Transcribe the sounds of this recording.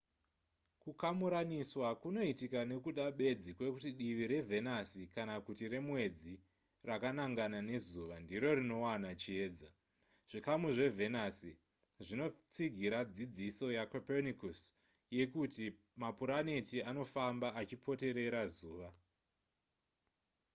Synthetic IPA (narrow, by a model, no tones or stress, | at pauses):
kukamuɾaniswakuno̞itikane̞kuɗaɓe̞d͡zikwe̞kutiɗiʋiɾe̞vʱe̞nasikanakutire̞mwe̞d͡zi | rakanaŋɡanane̞zuːʋandiɾo̞ɾino̞wanat͡ʃie̞ːd͡za | ʐ̥ikamuʐe̞ve̞nasi | ʐino̞t͡siɡʱiɾad͡zid͡ziso̞jakapenikus | je̞kuti | mapuɾanitiano̞fambaːt͡ʃipʰo̞te̞ɾe̞ɾazuːʋa